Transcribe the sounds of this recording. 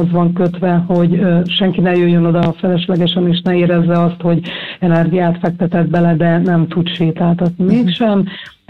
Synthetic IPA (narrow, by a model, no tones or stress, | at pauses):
ozʋɒŋkøt̪ʋɛho̞ɟʃɛŋkinɛjøjːøno̞d̪ɒfɛlɛʃlɛɡɛʃɛneːʃnɛeːɾɛzːɛɒst̪ho̞ɟɛnɛrɡijaːt̪fɛk̚t̪ɛt̪ɛd̪̚bɛlɛd̪ɛnɛmt̪ut̪ʃeːt̪aːt̪ɒt̪nimeːkʃɛm